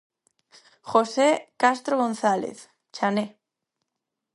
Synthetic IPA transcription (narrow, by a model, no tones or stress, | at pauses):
xosekast̪ɾoɣon̟θalḛθ | t͡ʃane